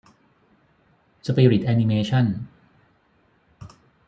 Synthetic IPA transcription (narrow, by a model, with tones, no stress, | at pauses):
sa˧piː˧ɾi˨˩t̪̚ʔæː˧ni˧meː˧t͡ɕʰa˥˩n